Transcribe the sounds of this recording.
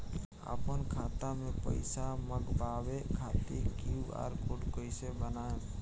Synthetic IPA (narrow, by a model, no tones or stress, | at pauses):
ə̰ːpənkʰaːt̪amẽpə̰ɪsaməɡbaːʋekʰaːt̪ekua̰ːɾkʊɖkoɪsebənaːẽ